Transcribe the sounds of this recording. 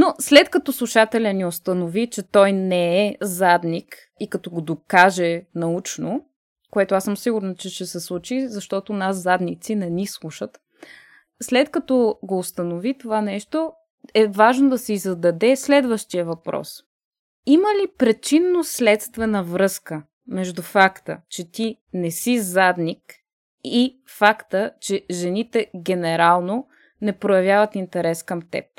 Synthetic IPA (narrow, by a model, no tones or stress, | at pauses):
noslɛt̪kɐt̪ɔslˠuʃat̪ɛlʲəniost̪ɐnovit͡ʃɛt̪ɔjnɛɛzad̪nik | ikɐt̪ɔɡod̪okaʒɛnɐut͡ʃno | koɛt̪oasəmsiɡuɾnət͡ʃɛʃɛsɛslˠut͡ʃizɐʃt̪ɔt̪onaszad̪nit̪sinɛnislˠuʃət̪ | slɛt̪kɐt̪ɔɡoːst̪ənovit̪ovanɛʃt̪o | ɛvaʒnod̪ɐsɛizɐd̪ɐd̪ɛslɛd̪vəʃt̪ijəvɐpɾɔ̰s | iməlipɾɛt͡ʃinːoslɛt̪st̪vɛnəvɾɤskə | mɛʒd̪ufakt̪ə̰t͡ʃɛt̪i | nɛsizad̪nik | i | fakt̪ət͡ʃɛʒɛnit̪ɛɡʲɛnɛɾalˠno | nɛpɾojɐvʲjavət̪int̪ɛɾɛskəmt̪ɛ̰p̚